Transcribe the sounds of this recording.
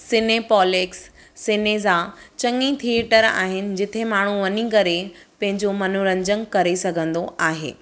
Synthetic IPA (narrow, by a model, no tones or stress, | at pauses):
sɪnepɔːleksː | ɪneːzat͡ɕɐŋĩt̪ʰieʈəɾa̰ːɦɪnɪ̆d͡ʑɪt̪ʰemaːɽ̤uʋɐɲikɐɾepɐ̃ɦɪ̃ɲd͡ʑomɐnuɾɐ̃ɲd͡ʑəŋkɐɾesɐɡʱə̃nd̪oʔaːɦḛː